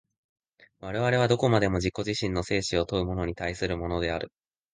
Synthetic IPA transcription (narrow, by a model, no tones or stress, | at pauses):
βaɾe̞βaɾe̞β̞ad̪o̞ko̞mad̪e̞mo̞d͡ʑikːoʑiɕĩnːo̞se̞ːɕio̞t̪o̞ɯ̟mo̞no̞ɲ̟it̪aisɨɾɯ̟mo̞no̞d̪e̞aɾɯ̟